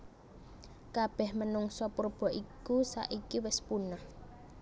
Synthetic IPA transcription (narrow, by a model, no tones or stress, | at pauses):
kab̥ɛhmənʊŋsɔpurb̥ɔ̤ʔikusa̰ʔikiwɪspunah